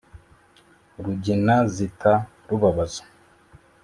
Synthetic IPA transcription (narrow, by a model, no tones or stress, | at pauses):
ɾuɟinazitʰa | ɾuβaβazo̥